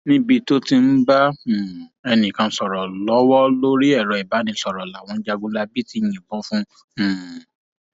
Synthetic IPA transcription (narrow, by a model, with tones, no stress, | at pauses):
nĩ˦bi˧to˦ti˧n̩˦bã˦˨ | ɛ˧nĩ˨kã˧˦sɔ˨ɾɔ˨lɔ˨˦wɔ˦lo˦ɾi˦ɛ˦˨ɾɔ˨i˨ba˨˦nĩ˧˦sɔ˨ɾɔ˨la˨w̃ɔ̃˨˧n̩˦d͡ʒa˧ɡũ˧la˧bi˦ti˨˧˦j̃ĩ˨bɔ̃˦fũ˦˨